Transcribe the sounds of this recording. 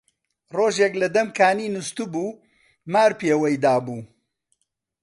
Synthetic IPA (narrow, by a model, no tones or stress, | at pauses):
roːʒeklɐd̪ɐmkʰaːniːnust̪ubuː | maːɾpeːwɐjd̪aːbuː